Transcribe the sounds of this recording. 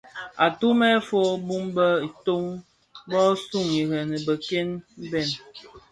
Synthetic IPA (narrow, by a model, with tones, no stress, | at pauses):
a˨tu˦mɛ˦fo˦bu˦mbə˦i˨to˦ŋ | bɔ˦su˦˨ŋi˨ɣɛ˨nə˨bə˨ke˦nm̩˦bɛ˦˨n